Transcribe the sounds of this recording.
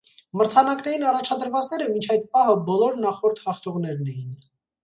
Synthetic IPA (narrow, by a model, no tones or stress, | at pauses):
məɾt͡sʰɑnɑknɛɾinɑrɑt͡ʃʰɑd̪əɾvɑt͡snɛɾəmint͡ʃʰɑjt̪̚pɑɦəbɔlɔɾnɑχɔɾt̪hɑχt̪ʰɔʁnɛɾnɛjin